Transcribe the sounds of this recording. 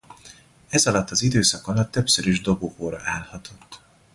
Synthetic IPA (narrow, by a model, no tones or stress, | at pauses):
ɛzɒlɒt̪ːɒzid̪øːsɒkɒlɒt̪ːø̞psøɾiʒd̪o̞boːkoːɾɒ̰ʔaːlhɒt̪ʰo̞t̪ː